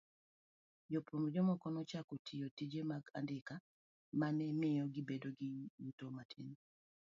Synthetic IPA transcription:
d͡ʒopomd͡ʒɔmɔkɔnɔt͡ʃakotʰɪjotid͡ʒemaɡa̰ndɪka | manɛmɪjɔɡɪbedoɡɪutomatʰin

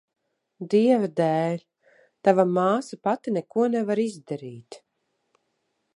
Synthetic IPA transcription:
d̪iɛvad̪æːlʲ | t̪avamaːsapat̪inɛkuɔnɛvaɾizd̪aɾiːt̪

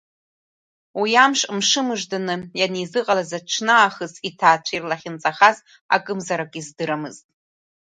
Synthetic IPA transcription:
wijamʂʼmʂɨmɨʐdanɨjanizɨqʼalazaʈ͡ʂʰnɨaːχəsʰʼitʰaːt͡ʃʷʰirlaχʲɪnt͡sʼaχaz | a̰kʼɨmzaɾakʼizdɨɾamɨztʼ

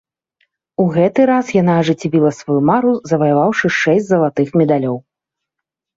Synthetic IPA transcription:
uɣɛt̪ɨɾasjanaːʐɨt͡sʲivʲilˠɐsvajumaɾuzɐvɐjavawʂɨʂɛsʲtʲt͡sʲzɐlˠat̪ɨxmʲɛd̪alʲɔw

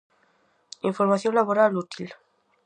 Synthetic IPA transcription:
iɱfoɾmaθjonlaβoɾalut̪il

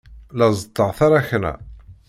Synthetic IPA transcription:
lɑzˤət̪ˤːəʁθaɾˤaçnæ̰

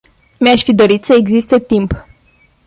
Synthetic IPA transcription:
meaʃʲfid̪o̞ɾit̪səeɡzist̪e̞t̪imp

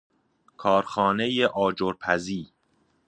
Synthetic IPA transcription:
kʰɒːɾxɒːne̞jeʔɒːd͡ʒoɾpʰæziː

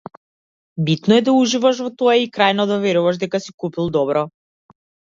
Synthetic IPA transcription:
bit̪nɔɛd̪auʒivaʃ̬vɔt̪ɔjaikɾajnɔd̪avɛɾuvaʃd̪ɛkasi̥kupilˠd̪ɔbɾɔ

